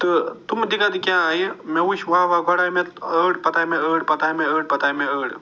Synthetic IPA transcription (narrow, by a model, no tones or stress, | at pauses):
t̪ɨt̪umd̪ikʰat̪kʲjãːaːjemeuʃʋaːʋaɡɔɽamẽəːɽpɐt̪aːmẽəːɽpɐt̪aːjmẽəːɽ̚pɐt̪aːjmẽəːɽ